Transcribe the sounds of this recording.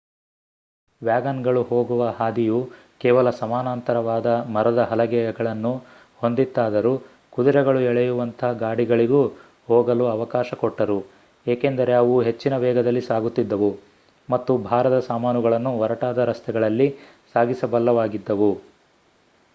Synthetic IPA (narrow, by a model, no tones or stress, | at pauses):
ʋjaːɡɐnɡɐɭuɦoːɡuʋɐɦaːd̪iju | kɛːʋɐlɐsɐmaːnaːnt̪ɐɾɐʋaːd̪ɐmɐɾɐd̪ɐɦɐlɐɡɛjɐɡɐɭɐnːu | ho̞nd̪it̪ːaːd̪ɐɾu | kud̪uɾɛɡɐɭuɛɭɛjuʋɐnt̪ʰɐɐɡaːɽiɡɐɭiɡu | hɔːɡɐluɐʋɐkaːʃɐkɔʈːɐɾu | eːkeːnd̪ɐɾe̞ɐʋuɦe̞t͡ʃːinɐʋɛːɡɐd̪ɐlːisaːɡut̪ːid̪ːɐʋu | mɐt̪ːubʱaːɾɐd̪ɐsaːmaːnuɡɐɭɐnːuɔɾɐʈaːd̪ɐɾɐst̪ʰɛɡɐɭɐlːi | saːɡisɐbɐlːɐʋaːɡid̪ːɐʋu